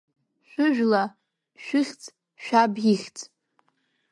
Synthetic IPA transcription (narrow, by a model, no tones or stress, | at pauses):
ʃʷʊʒᶣla | ʃʷᶣɨχʲt͡sʼ | ʃᶣabiχʲt͡sʼ